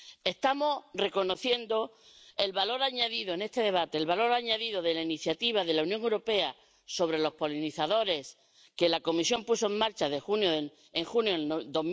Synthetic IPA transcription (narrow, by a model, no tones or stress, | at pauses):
e̞st̪amo̞re̞ko̞no̞θje̞nd̪o̞ | e̞lβalo̞ɾaɲaðiðoene̞st̪e̞ðe̞β̞at̪e̞ːlβalo̞ɾaɲaðiðo̞ðe̞lainiθjat̪iβ̞aðe̞launjõŋewɾo̞pe̞a | so̞βɾe̞lo̞hpo̞liniθaðo̞ɾe̞s | ke̞lako̞misjo̞mpuso̞e̞mmaɾt͡ʃaðexunjo | eŋxunjod̪om